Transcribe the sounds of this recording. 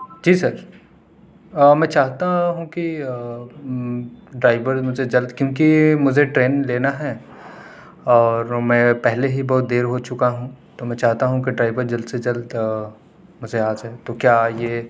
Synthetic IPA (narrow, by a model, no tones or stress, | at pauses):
d͡ʒiːsɐɾ | əmɛ̃ːt͡ʃaːɦt̪aɦũki | ɖɾaːɪbəɾmʊd͡ʒʱed͡ʒɐld̪kjõːk̬imʊd͡ʒʱeʈɾeːnleːnaɦɛː | ɔːɾmɛ̃pɛɦleɦibɔɦt̪̚d̪eːɾɦot͡ʃʊkaɦũt̪omɛ̃ːt͡ʃaːɦt̪aɦũk̬iɖɾaːɪbəɾd͡ʒɐld̪sed͡ʒɐld̪ | mʊd͡ʒʱeaːd͡ʒɦɛːt̪okjaːjeː